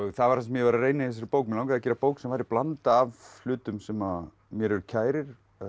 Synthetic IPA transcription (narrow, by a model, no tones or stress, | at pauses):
θavaɾhans̬amjɛvaɾareːjnɪθɛs̬ɾpoːwkmɪlawkaðaðcɛːɾapoːwksɛmvajɾɪplant̪aːvl̥ʏːt̪ʏmsɛma | mjɛɾɛɾʏcʰaːjɾɪɾ̥